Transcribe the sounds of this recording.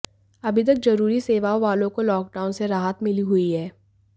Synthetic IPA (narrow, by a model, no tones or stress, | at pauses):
ɐbʱɪt̪ɐk̚zɐɾuːɾiseːʋaoʋaːlõkolɔːk̚ɖaːʊ̃nseɾaːɦət̪mɪliɦʊiɦɛː